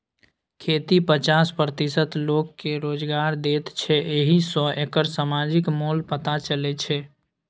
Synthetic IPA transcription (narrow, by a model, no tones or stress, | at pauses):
kʰet̪ipət͡ʃaspɾət̪isət̪lokːeɾod͡ʒɡaɾd̪et̪t͡ʃʰɛʔeɦisɔ̃ekəɾsamad͡ʒɪkmolpət̪at͡ʃəlɛt͡ʃʰɛ